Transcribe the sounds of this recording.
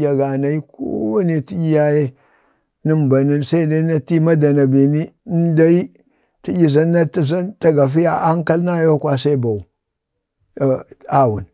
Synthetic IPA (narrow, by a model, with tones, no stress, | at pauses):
ja˨ɡa˨na˨i˦ko̰˦wa˦ne˨ti˦i˦ja˦je˦ | ni˦mba˨ni˦nsa˦i˦da˦i˦na˦ti˦ma˦da˨na˨bi˨ni˦da˦i˦ | ti˦ɟʲi˨za˦nːa˦ti˨za˦nta˦ɡa˨fi˦ja˨ʔa˦ŋ˦ka˦lna˦jo˦kwa˨sa˦i˦ba˨u˨ | a˨wṵ˨n